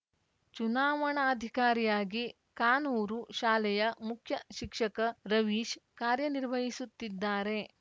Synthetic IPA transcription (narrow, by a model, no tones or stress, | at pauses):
t͡ʃunaːʋɐɳɐːd̪ʱikaːɾijaːɡi | kaːnuːɾuʃaːlɛjɐmukʰjɐʃikʂɐkɐɾɐʋiːʃkaːɾjɐniɾʋʱɐɦisut̪ːid̪ːaːɾe̞